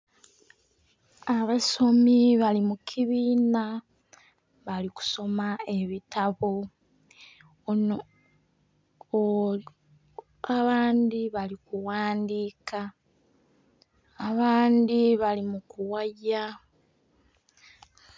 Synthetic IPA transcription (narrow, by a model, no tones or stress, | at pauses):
aβaso̞miβalimukʰiβiːna | βaliku̥so̞mae̞βitaβo̞ | aβaːnd̪iβalikuwaːndika | βaːndiβalimukuwaja